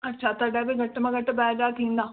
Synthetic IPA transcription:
ɐtːʃʰat̪ɐɖabeɡɐʈːmɐ̃ɡɐʈːbɛːd͡ʒaːkĩːnd̪aː

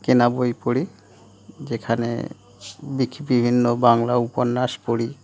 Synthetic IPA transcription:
kenabojpoɽi | d͡ʑekʰanḛ | bikʰbibʱinːobaŋlauponːaʃpoɽi

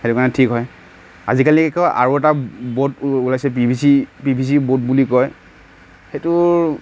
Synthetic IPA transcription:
xetukanɛtʰikɦɔj | a̰zikalikɛkɔʔa̰ɹuɛtabotulajsɛpibʱisipibʱis̬ibot̚bulikɔj | xetu

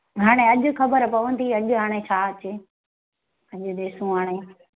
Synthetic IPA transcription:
ɦaːɽ̃eɐʄʊ̆xɐbəɾpɐʋə̃n̆t̪ʰiɐʄʊɦaːɽ̃et͡ɕʰaːɐt͡ɕɪ | ɐʄʊ̆d̪eːsũɦaːɽ̃e

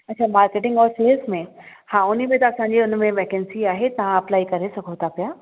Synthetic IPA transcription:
ɐtːt͡ɕʰaːmaːɾkeːʈɪ̃ŋɡɔːɾseːəsmẽhãːʊnimẽt̪ɐɐsãːɲ̆d͡ʑiʊn̆mẽʋeːkɛ̃nsiaːɦet̪ɐʋãɐplaːikɐɾesɐɡʱot̪ʰapijaː

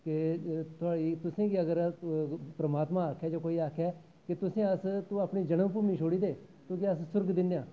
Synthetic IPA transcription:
kɪt̪ʊaːɽiːt̪ʊsẽːɡiəɡəɾ | pɾəmaːt̪mãːaːkʰɛːd͡ʒoːkoːiːaːkʰɛː | kɪt̪ʊsẽːəst̪ũːaːpɳiːd͡ʒəɽəmp̬uːmiːt͡ʃʰoːɽiːd̪eː | t̪õːkiəssʊɾɡd̪ɪ̃nd̪ejãː

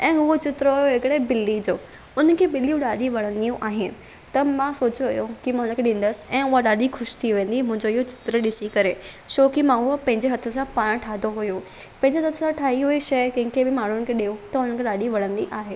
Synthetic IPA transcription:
ɛ̃ːɦʊot͡ɕɪt̪ɾəɦʊjoɦɪkɪɽebɪlːid͡ʑoː | ʊnə̆kʰeːbɪlijũɗaːɗiʋɐɽ̤̃ə̃nd̪ijũʔaːɦɪnɪ̆ | t̪ɐmãsoːt͡ɕoʋɐjokimãʊnəkʰeɗĩːn̆d̪əsɪ̥ɛ̃ːʊɦaɗaːɗixʊʃt̪ʰiʋẽːn̆d̪imʊ̃ɦɪ̃ɲd͡ʑoɪɦot͡ɕɪ̥t̪ɾəɗɪsikɐɾeʃoːkimãɦʊəpɐ̃ɦɪ̃ɲd͡ʑeɦɐt̪ʰə̆sãpaːɽ̃ʈʰaːd̪oɦʊjo | pɐ̃ɦɪ̃ɲd͡ʑeɦɐt̪ʰsãʈʰaːɦiɦuiʃɐjkɐ̃ɦɪ̃ŋkʰebɪmaːɳ̤ʊnɪ̆kʰeɗiot̪ɐʊnənkʰeɗaːɗiʋɐɽ̤̃ə̃nd̪iʔaːɦeː

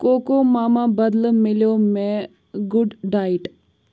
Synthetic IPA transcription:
koːkoːmaːmãbɐd̪lmɪljoːmẽ | ɡʊɖɖaːiʈ

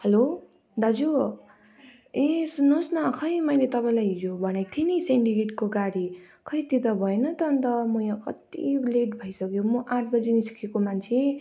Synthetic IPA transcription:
hʌlo | d̪ad͡zo | ẽsunõsnʌkʰʌjmʌjlet̪ʌpaj̃lajɦid͡zobʱʌnet̪ʰiniseɳʈikeʈkoɡaɽi | kʰʌjt̪it̪ʌbʱʌenʌt̪ʌːnt̪ʌmʌjãkʌt̪ileʈbʱʌjsʌkjomʌʔãʈʰbʌd͡zinisi̥kʰekomant͡sʰe

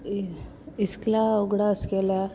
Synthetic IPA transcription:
isklauɡɽaəskela

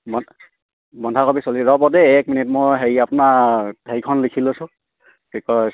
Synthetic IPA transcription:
bɔ | bɔndʱakobisoliɹɔpɔtɛːkminitmɔjɦejapʊnahejkʰɔnlikʰilʊsʊ̃ | pɹikɔs

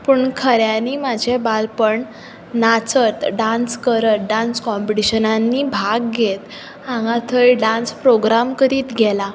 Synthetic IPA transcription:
pəːɳkʰəɾjãniːmad͡ʑʱebalpəɳ | nat͡sət̪ɖãnskəɾət̪̚ɖãnskɔmpiʈiɕənanːiːbʱaɡɡet̪ | ãŋɡat̪ʰəɭiɖãnspɾoɡɾamkəɾiːt̪ɡʱɛla

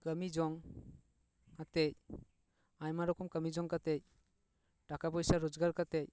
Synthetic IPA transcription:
kəmid͡ʒɔŋ | kat̪ɛc̚ | aɲmaɾɔkɔmkəmid͡ʒɔŋkat̪ɛc̚ | ʈakapɔjsaɾɔd͡ʒɡaɾkat̪ɛc̚

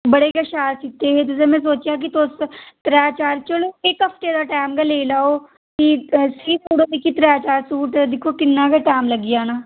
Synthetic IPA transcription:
bəɽekeʃaːɾsit̪ːeɦẽt̪̬ʊs̬emɛ̃s̬oːt͡ʃjak̬it̪oːst̪ɾaːt͡ʃaːɾt͡ʃəloeːkɦəft̪ed̪aːʈaːmɡaleːlaːo | kisit̪uːɽod̪ekʰit̪ɾaːt͡ʃaːɾsuːʈd̪ɪkʰokɪnːaːkeʈaːmləɡijaːnaː

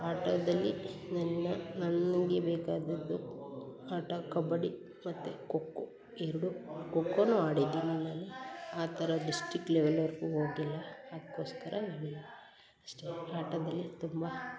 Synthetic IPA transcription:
aːʈɐd̪ɐlːinɐnːɐnɐnɡebɛːkaːd̪ɐd̪ːu | aːʈɐkɐbɐɽi | mɐt̪ːukokːo | eɾuɽukokːonuːaːɽid̪inɐneːleaːt̪ʰɐɾɐɖisʈɾikːleʋelʋɐɾɡuoːɡilːɐad̪ɐkːo̞ːskɐɾʔɐeɡilːɐ | ɐsʈeaːʈɐd̪ɐlːit̪umbɐ

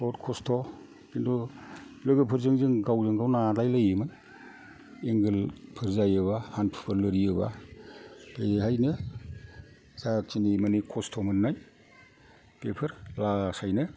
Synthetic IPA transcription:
hɔtkʰɔstʰɔ | kindɔlɯɡɯpʰɯɾzɯŋzɯŋɡawzɯŋɡawnalajlɯjɯmɯn | eŋɡɯlpʰɯɾzajɯβahanpʰɯ̥pʰɯɾlɯɾiɯba̰ | beɦajnɯ | zat͡ʃinimanikʰɔstʰɔmɯnːaj | pepʰɯɾlasajnɯ

